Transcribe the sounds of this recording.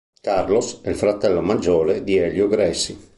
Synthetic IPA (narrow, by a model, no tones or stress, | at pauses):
karlosɛlfɾat̪ɛlːomad͡ʒɔːled̪iɛljoɡɾɛsːi